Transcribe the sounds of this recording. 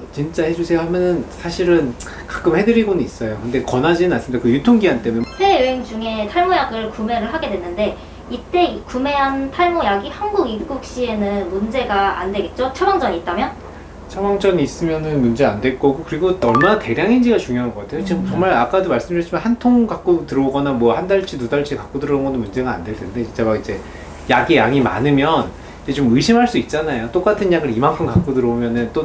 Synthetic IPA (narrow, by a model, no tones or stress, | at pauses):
t͡ɕint͡ɕ͈ahe̞d͡ʑusʰejoɦamjʌnɯnsʰaɕʰiɾɯn | kḁk͈ɯmhe̞dɯɾiɡonɯnis͈ʌjokɯnde̞kʌnɦad͡ʑinɯnans͈ɯmid̥̪akɯjutʰoŋɡiɦant͈emunesʰe̞jɯɦeŋd͡ʑuŋe̞tʰaɭmojaɡɯɭkume̞ɾɯɭɦaɡe̞dwenːɯnde̞ | it͈e̞kume̞ɦantʰaɭmojaɡihanɡuɡipɡ͈uk̚ɕ͈ie̞nɯnmund͡ʑe̞ɡaa̰ndwe̞ɡe̞t̚t͡ɕ͈ot͡ɕʰʌbaŋd͡ʑ͈ʌɲiːt̚t͈amjʌn | t͡ɕʰʌbaŋd͡ʑ͈ʌɲiːs͈ɯmjʌnɯnmund͡ʑe̞andwe̞ɭk͈ʌɡokɯɾiɡonʌɭmanate̞ɾjaŋind͡ʑiɡat͡ɕuŋjoɦanɡʌk͈atʰe̞jot͡ɕʰt͡ɕʌŋmaɭak͈adomaɭs͈ɯmdɯɭt͡ɕʰimanhantʰoŋkak͈otɯɾʌoɡʌnamwʌhandaɭt͡ɕ͈ʰinudaɭt͡ɕ͈ʰikak͈odɯɾʌŋɡʌnomund͡ʑe̞ɡaa̰ndwe̞ɭtʰende̞t͡ɕʰint͡ɕ͈amakid͡ʑe̞ | jaɡijaŋima̰nɯmjʌn | id͡ʑe̞t͡ɕomɯiɕʰimɦaɭs͈uit̚t͡ɕ͈anajot͈ok͈atʰɯnjaɡɯɾimankʰɯmkak͈odɯɾʌomjʌnɯnt͈o